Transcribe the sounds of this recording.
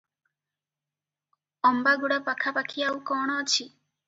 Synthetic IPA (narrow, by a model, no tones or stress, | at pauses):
ɔmbaɡuɽapakʰapakʰiawkɔɽ̃ɔːt͡ʃʰi